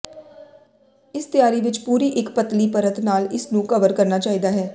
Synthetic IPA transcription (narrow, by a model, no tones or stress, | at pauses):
ɪst̪ɪjaːɾiːʋɪt͡ʃpuːɾiːʔɪkpət̪liːpəɾət̪naːlɪsnũːkəʋəɾkəɾnaːt͡ʃaːɦiːd̪aːɦɛː